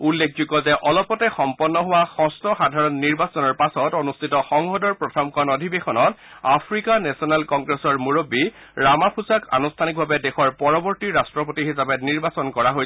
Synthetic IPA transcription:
ulːekʰzuɡɔzɛʔɔlɔpɔtɛxɔmpɔnːɔɦʊwaxɔ̃stʰɔxadʱaɹɔnːiɹbasɔnɔɹpasɔtonustʰitɔxɔŋhɔdɔɹpɹɔtʰɔmkɔnɔdʱibexɔnɔt | apʰɹikanɛsɔnalkɔŋɡɹesɔɹmuɹobi | ɹamapʰusakʰa̰nustʰanik̚bʱabɛdɛxɔɹpɔɹɔbɔɹtiɹastɹɔpotihisapɛniɹbasɔnkɔɹaɦojɛ

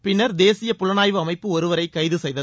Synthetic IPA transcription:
pɪnːɐɾd̪eːsɪjɐpʊlɐnaːjʋɯɐmɐɪpːɯɔɾɯʋɐɾɐɪkːɐjðɯsɛjðɐð

